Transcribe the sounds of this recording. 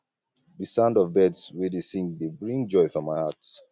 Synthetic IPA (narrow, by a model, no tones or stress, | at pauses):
ðɨsãʊ̃ndɔvbɛdswɛdesĩŋkdebɹĩŋd͡ʒɔɪfɔmaɪhat